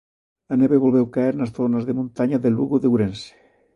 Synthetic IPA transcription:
aneβeβolβewkaeɾnasθonazðemũnt̪aɲaðelṵɣuðewɾense̥

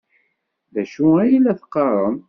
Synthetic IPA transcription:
ðæʃuæjilæθə̥qːɑrˤən

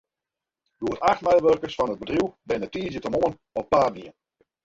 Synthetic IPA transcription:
doətaxtmɛjʋørkəsfɔnəd̚bədrjuwbɪnətiəzətəmoən | ɔppːaːniən

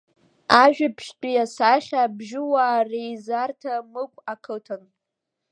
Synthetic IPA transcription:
aʒᶣapʰʃtʼijasaχʲabʒɪwaːrejzartʰamɨkʷʰʼakʰɨtʰan

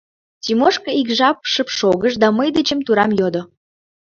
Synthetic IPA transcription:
timoʃkɤ̆ikʒɑpʃəpʃoɣəʃd̪ɑməjd̪et͡ɕəmt̪uɾɑmjod̪o

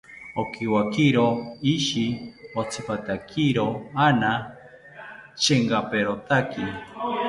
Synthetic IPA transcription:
okiwakiɾoiʃiot͡sʰɨpat̪akʰiɾoana | t͡ʃʰeŋɡapeɾot̪aki

